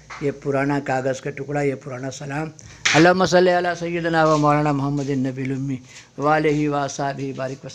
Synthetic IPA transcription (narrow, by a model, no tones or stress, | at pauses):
jepuɾaːɳakaːɡɐskɐʈːukuɽaːjepuɾaːɳasɐlaːmɐlɐmɐs̬ɐleɐlasɐjːud̪ʱɐnaːʋɐmoːlɐɳamɐɦɐmːɐd̪inːɐbilumːi | ʋaːlɐɦiʋaːsaːbʱibaːɾikʋɐ